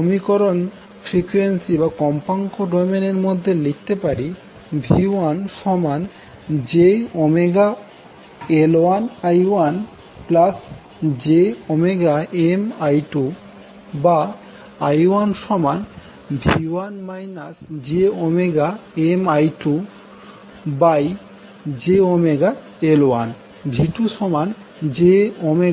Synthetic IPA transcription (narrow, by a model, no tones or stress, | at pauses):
omikɔɾon | fɾikwensibakɔmpaŋkoɖojmeneɾmod̪ʱːelik̚t̪epaɾi | bʱianʃɔman | d͡ʑeɔmeɡa | eloanajwan | plas | d͡ʑeɔmeɡaemajʈu | baː | jwanʃɔman | bʱiwanmajnasd͡ʑeɔmeɡaemajʈu | baj | d͡ʑeɔmeɡa | eloan | bʱiʈuʃɔman | d͡ʑeɔme